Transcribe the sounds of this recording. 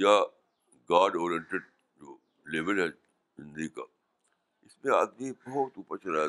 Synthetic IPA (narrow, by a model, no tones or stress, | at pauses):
ja | ɡaːɖɔːɾijə̃ɳʈeɖ | d͡ʒoː | leʋəlɦɛ | zɪ̃nd̪ika̰ː | ɪsmẽaːd̪mibɔɦɔt̪uːpət͡ʃɐlaː